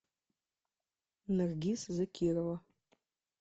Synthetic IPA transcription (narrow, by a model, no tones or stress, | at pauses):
narɡʲisɨzakʲʰirawa